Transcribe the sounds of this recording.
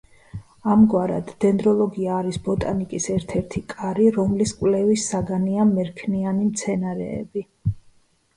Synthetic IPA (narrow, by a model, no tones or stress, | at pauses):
amɡwaɾa̰d̪ːɛnd̪ɾɔlˠɔɡiaːɾisbɔt̪ʼanikʼisɛɾt̪ʰɛɾt̪ʰikʼaɾiɾɔmliskʼwlɛvisːaɡaniamɛɾkʰnianimt̪sʰɛnaɾɛ̰ːbi